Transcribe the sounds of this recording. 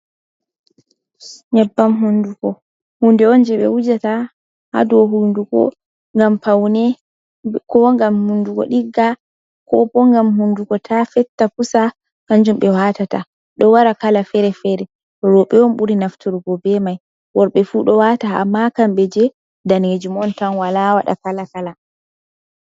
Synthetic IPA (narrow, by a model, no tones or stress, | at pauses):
ɲɛbːamhundukɔ | hundɛɔnd͡ʒɛɓɛ̰wud͡ʒata | ha̰dɔɦundukɔ̰ | ŋɡampawnɛ | kɔŋɡamhundukɔ̰ɗiɡːa | kɔpɔŋɡamhundukɔtʰafɛtːapusa | kand͡ʒumɓɛwatata̰ | ɗɔwaɾakalafɛɾɛfɛɾɛ | ɾɔɓɛɔnɓuɾinaftʰuɾɡɔbɛmaj | wɔɾɓɛfuɗɔwataa̰mːakamɓɛd͡ʒɛ | daned͡ʒumɔntanwalawa̰ɗa̰kalakala